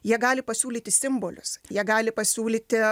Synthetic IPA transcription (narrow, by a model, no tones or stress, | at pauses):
jiɛɡɑːlʲɪpɐsʲuːlʲiːt̪ʲɪsʲɪmboːlʲʊ̰sjiɛɡɑːlʲɪpɐsʲuːlʲiːt̪ʲɪ